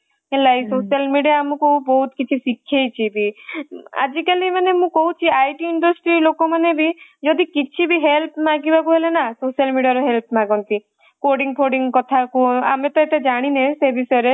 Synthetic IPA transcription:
elajsosialmiɖijaːmɔ̃koubɔɦut̪kit͡ʃʰisikʰjejt͡ʃʰibʱi | a̰d͡ʒikalimanemũkɔɦut͡ʃʰiajʈiiɳɖɔsʈɾilokɔmanebid͡ʒɔd̪ikit͡ʃʰibʱiɦelpʰmãɡibakuɦelenasosialmiɖiaɾɔɦelp̚ʰmãɡɔnt̪i | koɖiŋɡpʰoɖiŋkɔt̪ʰakua̰met̪ɔet̪ed͡ʒaɽ̃inẽsebʱisɔɾe

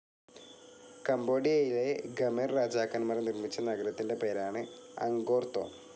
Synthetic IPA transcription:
kɐmbo̞ːɽijɐjile̞ɡɐmerraːd͡ʑaːkːɐnmɐrnirmit͡ɕːɐnɐɡɐɾɐt̪ːinde̞pe̞ːɾaːɳɨɐ̰ŋɡo̞ːrt̪o̰

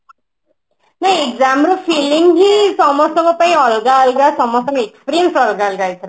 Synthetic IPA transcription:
naĩekzamɾopʰiliŋɦisɔmɔsɔŋɡɔpaĩɔlɡaɔlɡasɔmɔsɔ̃ŋɡʌekspɾiemsɔlɡalɡajt̪ʰɔɾ

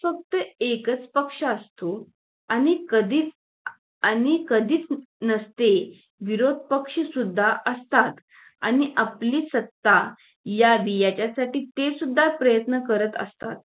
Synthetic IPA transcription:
fək̚t̪əekət͡spəkʂəəst̪o | añikəd̪ʱiːt͡s | añikəd̪ʱiːt͡s | nəst̪e | ʋiɾod̪̚ʱpəkʂəsud̪ʱːaʔəst̪at̪ | a̰ñiʔapliːsət̪ːa | jaʋijat͡ɕjasaʈiːt̪esud̪ʱːapɾəjət̪nəkəɾət̪ə̰st̪a̰t̪̚

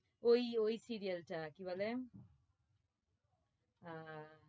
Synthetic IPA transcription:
ojojsiɾijʌlʈakibale

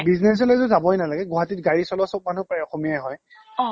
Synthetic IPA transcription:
biznes̬ɔlɛzʊzabɔɦɔjnalaɡɛɡɔɦatit̚ɡaɹisɔlɔsop̚man̤upajɔxomijajɦɔj

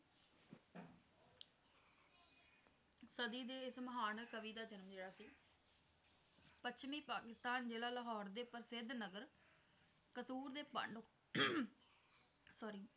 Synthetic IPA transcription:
səd̪iːd̪eːɪsməɦaːnkəʋiːd̪aːd͡ʒənəmd͡ʒeːɽaːsiː | pət͡ʃʰmiːpaːkɪst̪aːnd͡ʒeːlaːləɦɔːɾd̪eːpəɾsɪd̪nəɡəɾ | kəsuːɾd̪eːpə̰ɳɖ | sɔːɾiː

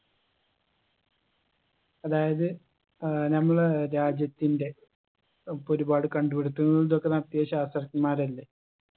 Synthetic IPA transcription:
ɐðaːjɐðɨ | nɐmːɐɭɾaːd͡ʑjɐt̪ːinde̞ | po̞ɾubaːɽɨkɐɳɖupeɽut̪ːuŋːɐɭuɭðo̞kːe̞nɐrɐt̪ːijɐɕaːst̪rɐkːimaːɾɐlːe

